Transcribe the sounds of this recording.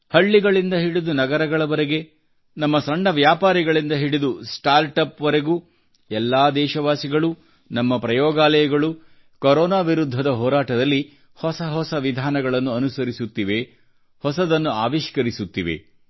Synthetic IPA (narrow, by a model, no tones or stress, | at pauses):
hɐɭːiɡɐɭind̪ɐɦiɽid̪unɐɡɐɾɐɡɐɭɐʋɐɾeɡe̞ | nɐmːɐsɐɳːɐʋjaːpaːɾiɡɐɭind̪ɐɦiɽid̪usʈaːɾʈɐpʋɐɾe̞ɡuː | ɛlːaːd̪ɛːʃɐʋaːsiɡɐɭu | nɐmːɐpɾɐjɔːɡaːlɐjɐɡɐɭu | kɔɾɔːnaːʋiɾud̪ʱːɐd̪ɐɦɔːɾaːʈɐd̪ɐlːi | hɔsɐɦɔsɐʋid̪ʱaːnɐɡɐɭɐnːuɐnusɐɾisut̪ːiʋe̞ | hɔsɐd̪ɐnːuaːʋiʃkɐɾisut̪ːiʋḛ